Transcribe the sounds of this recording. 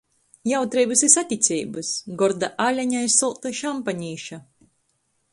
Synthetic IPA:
jawt̪ɾɛjbɨsisat̪ʲit̪sʲɛːbɨsɡɔɾd̪aʔalʲaɲajsːulˠt̪ɨʃampaɲiːʃa

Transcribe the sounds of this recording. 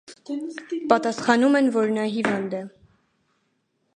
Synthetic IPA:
pɑt̪ɑsχɑnumɛnvɔɾnɑɦivɑnd̪ɛ

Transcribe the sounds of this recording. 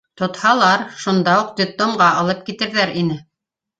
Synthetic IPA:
t̪ŏt̪hɑlˠɑɾʃund̪ɑuq̚d̪ʲɪplomɢɑɑlˠɤp̚kit̪ɘ̆ɾðæɾinɘ

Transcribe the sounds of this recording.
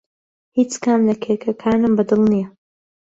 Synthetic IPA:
hiːt͡skaːmlɐkʰeːkʰɐkʰaːnɨmbɨd̪ɨlˠnijɐ

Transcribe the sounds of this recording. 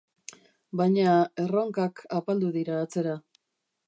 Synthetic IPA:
bajɲae̞roŋkakʰapald̪uðiɾaːt͡se̞ɾa

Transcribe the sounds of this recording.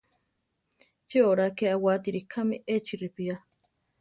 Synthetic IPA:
t͡ʃeoɾakeawat̪iɾikʰamiʔet͡ʃiɾipia

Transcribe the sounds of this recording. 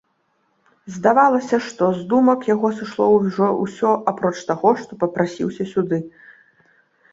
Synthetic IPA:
zd̪avalˠɐsʲɐʂt̪ɔzd̪umɐkjaɣɔsɨʂlˠɔwʐɔw̰sʲɔʔapɾɔt͡ʂt̪aɣɔʂt̪ɔpɐpɾasʲḭwsʲɐsʲud̪ɨ

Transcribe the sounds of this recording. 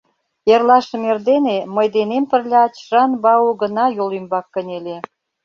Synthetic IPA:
erlɑʃə̆merd̪eneməjd̪enempə̆rlʲɑt͡ɕʒ̥ɑnbɑuɣə̆nɑjolymbɑkːə̆nʲele

